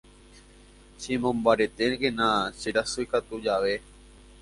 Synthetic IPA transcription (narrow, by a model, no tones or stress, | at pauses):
simõmbaɾet̪enɡenasiɾasuikat̪ud͡ʒaʋe